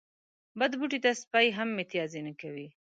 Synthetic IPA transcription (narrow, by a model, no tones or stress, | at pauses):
bad̪buʈit̪aspajɦamːet̪ijɑzenakawi